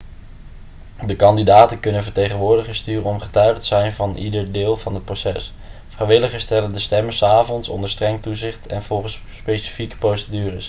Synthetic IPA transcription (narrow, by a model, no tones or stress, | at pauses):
dəkɑndidaːtənkɵnənvəɹtejχənʋʊːɹdəχəstyːrənɔmχətœɥχətəz̥ɛjnvɑnʔḭdəɹdɪːlˠvɑnət̚prosɛs | frɛjʋɪləχəstɛləndəstɛməsaːvɔnsɔ̰ndəɹstrɛŋtuzɪχtʰɛ̰nv̥ɔlˠχəs | spejsi̥fikə̥prowsədyːrəs